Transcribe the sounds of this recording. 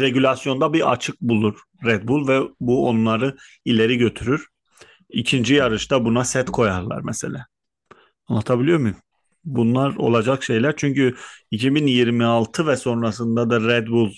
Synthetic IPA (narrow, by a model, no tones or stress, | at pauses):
ɾe̞ɟylʲasjo̞nd̪abia̰t͡ʃʰɯk̚bulˠuɾ̥ | ɾɛd̪̚bulˠvɛbuo̞nlˠaɾɯ | ilʲe̞ɾiɟø̞t̪ʰyɾyɾ̥ | icʰind͡ʒijaɾɯʃt̪ʰabunasɛt̪kʰo̞jaɾlˠa̰ɾmɛse̞lʲɛː | anlˠat̪ʰabilʲijo̞ɾmu | bunlˠaɾo̞̰lˠad͡ʒakʃe̞jlʲæɾt͡ʃʰyɲcyicʰibinjiɾmialˠt̪ʰɯvɛso̞nɾasɯnd̪ad̪aɾɛd̪bulˠ